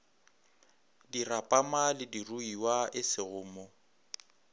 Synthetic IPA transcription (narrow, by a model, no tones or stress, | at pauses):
dirapʼamalɪdiruiwaʔɪsɪɣʊːmɔ